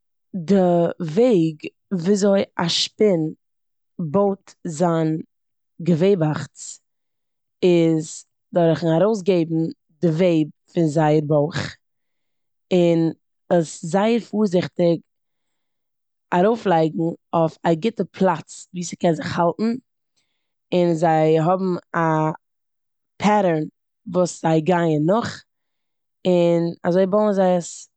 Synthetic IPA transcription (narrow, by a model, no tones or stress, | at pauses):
dɪveɪɡ | viːzoɪaʃpɪn | boʊtzan | ɡəveɪbaχt͡s | ɪz | dɔɾχn̩aɾoʊs̬ɡeɪbm̩ | dɪveɪb̚fɪnzaɪəɾboɪχ | ɪn | əszaɪəɾfuːɾzɪχtɪk | aɾoʊflˠaɪɡŋ̩oʊfaɡɪtəpʰlˠat͡sviːsə̥kɛnzɪχhalˠtn̩ | ɪnzaɪɦɔbm̩a | pʰaɾəɹn | vuːsz̥aɪɡaɪənːʊχ | ɪna̰zoɪboʊnzaɪəs